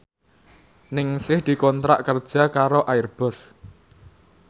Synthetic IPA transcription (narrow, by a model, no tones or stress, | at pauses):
nɪŋsɪhd̪̥i̤kɔnt̪ɾa̰ʔkərd̥ʒ̥a̤kaɾoʔaɪrb̥ɔ̤s